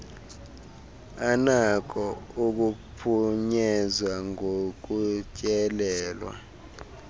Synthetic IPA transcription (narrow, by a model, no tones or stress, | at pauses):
anak̬ʰɔuk̬upʰuɲɛzwaŋʱok̬ucʼɛlɛːlwa̰